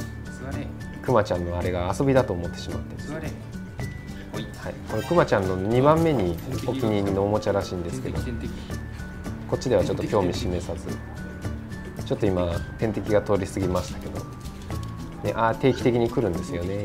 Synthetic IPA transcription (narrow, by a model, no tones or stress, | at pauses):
kɯ̟mat͡ɕãnːo̞aɾe̞ɡaːso̞bʲid̪at̪o̞ːmo̞t̪ːe̞ɕimat̪ːe | haiko̞ɾe̞kɯ̟mat͡ɕãnːo̞ɲ̟ibãmːe̞ɲ̟io̞kʲiɲ̟iɲʲino̞ːmo̞t͡ɕaɾaɕĩːnd̪e̞sɨ̥ke̞d̪o̞ | ko̞tt͡ɕːid̪e̞βat͡ɕo̞t̪ːo̞kʲoːmʲiɕime̞sazɨ | t͡ɕo̞t̪ːoimat̪ẽ̞nt̪e̞kʲiɡat̪o̞ːɾʲisɨɡʲimaɕi̥t̪ḁke̞d̪o̞ | ne̞ʔat̪e̞ːkʲi̥t̪e̞kʲiɲ̟ikɯ̟ɾɯ̟̃nd̪e̞sɨjo̞ne̞